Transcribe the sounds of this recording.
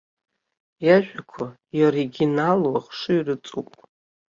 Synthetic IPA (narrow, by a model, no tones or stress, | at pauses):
jaʒᶣʷakʷʰa | ioɾiɡʲinalwaχʂɨɥrɨt͡sʼupʼ